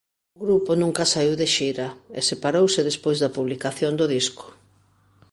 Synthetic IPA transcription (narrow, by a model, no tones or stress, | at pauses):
ʊɣɾuponũŋkɐsaiwðeʃiɾaḛsepaɾowsɪðespojzðɐpuβlikaθjond̪ʊðisko̥